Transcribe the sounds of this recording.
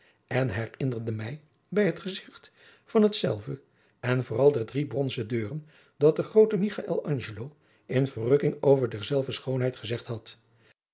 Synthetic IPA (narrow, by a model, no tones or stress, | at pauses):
ɛnɦɛrɪndərdəmɛj | bɛjɦətχəzɪχt | fɑnɦətsɛ̰lˠvə | ɛnvʊːrɑlˠdɛɹdribrɔnzədøːrən | dɑt̚dəχrowtəmiχaʔɛ̰lˠɑnʒəlow | ɪnvərrɵkɪŋowvəɹdɛɹzɛlˠvəsχownɦɛjtχəzɛχtɦɑt